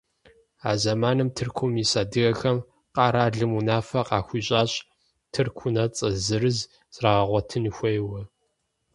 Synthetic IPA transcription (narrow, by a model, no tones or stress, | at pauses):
a̰ːzɐmaːnɨmtʰɨrkʷʰʊmisaːdɨɣɐxɐm | qɑːɾaːɮɨmunaːfɐqɑːxʷiːɕʼaːɕʼ | tʰɨrkʷʰʊnɐt͡sʼɐzɨɾɨz | sʼraːʁɐʁʷɔtʰɨnxʷejwɐ